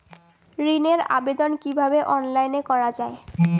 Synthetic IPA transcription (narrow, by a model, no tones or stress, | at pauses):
ɾineɾa̰bed̪onkibʱabeʔɔnlajnekɔɾad͡ʑae